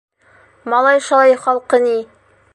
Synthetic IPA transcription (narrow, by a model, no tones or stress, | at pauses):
mɑlˠɑjʃolˠɑjχɒlˠqɤni